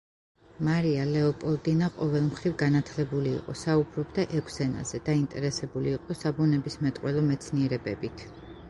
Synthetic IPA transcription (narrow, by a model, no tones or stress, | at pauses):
maɾialɛɔpʼɔlˠd̪inaqʼɔvɛlˠmχɾivɡanat̪ʰlɛbulḭːqʼɔ̰saubɾɔbd̪aʔɛkʷʰsɛna̰z̥ɛd̪̥aint̪ʼɛɾɛsɛbuliːqʼɔsabunɛbismɛt̪ʼqʼwɛlˠɔmɛt̪sʰniɛɾɛbɛbit̪ʰ